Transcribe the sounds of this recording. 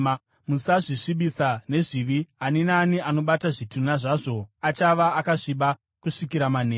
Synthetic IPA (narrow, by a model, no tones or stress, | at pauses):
musaʐiʂiɓisane̞ʐiʋianenaːniʔano̞ɓataʐitunaʐaʐo̞at͡ʃaʋaːkaʐiɓa | kuʂikiɾamaneː